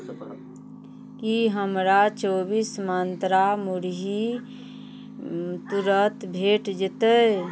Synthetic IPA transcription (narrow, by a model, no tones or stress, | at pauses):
kiɦəmɾat͡ʃobismant̪ɾamuɾɦi | t̪uɾət̪bʱeʈd͡ʒɪt̪ə